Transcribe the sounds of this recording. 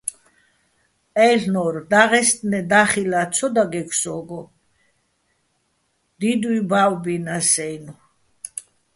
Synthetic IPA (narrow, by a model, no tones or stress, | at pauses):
ɛɬnɔɾd̪aʁɛst̪ʼnɛd̪aχilat̪sʰɔd̪aɡɛkʰsɔɡɔ | d̪̥id̪wibawbinasɛjnu